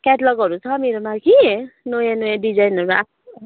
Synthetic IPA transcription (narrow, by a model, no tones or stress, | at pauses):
kɛʈlʌɡʌɾut͡sʰʌmiɾʌmakinojanojaɖid͡zajnʌɾa̰